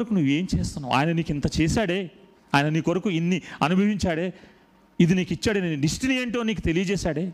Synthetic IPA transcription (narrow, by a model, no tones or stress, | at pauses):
ɾɐkunuʋːe̞ːmt͡ʃeːst̪unːaːma̰ːjɐnɐniːkint̪ɐt͡ʃɛːsaːɽeː | aːjɐnɐniːkʋɐɾɐkuinːiɐnubʱɐʋiɲt͡ʃaːɽeː | id̪iniːkit͡ʃːaːɽeniɖisʈiniɐɳʈoːniːkut̪e̞lijɐd͡ʒɛːsaːɽeː